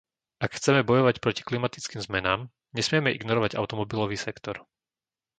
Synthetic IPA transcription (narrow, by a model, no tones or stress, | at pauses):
akxt͡sɛmɛbɔjɔʋacpɾɔci̥klimat̪it͡skiːmzmɛnaːm | ɲɛsmɪɛmɛʔiɡnɔɾɔʋaɟa̰ʊt̪ɔmɔbilɔʋiːsɛkt̪ɔɾ